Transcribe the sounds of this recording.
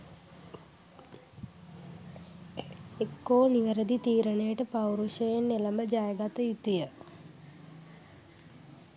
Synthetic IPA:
ekːoːniʋəɾəd̪it̪iːɾənejəʈəpawɾuʃəjenːelɐmbəd͡ʒajəɡat̪əjut̪ujə

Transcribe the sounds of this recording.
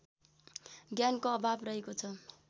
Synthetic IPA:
ɡjankoʌbʱabrʌɦekot͡sʰʌ

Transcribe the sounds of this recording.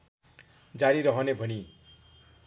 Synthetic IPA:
d͡zaɾiɾʌɦʌnebʱʌni

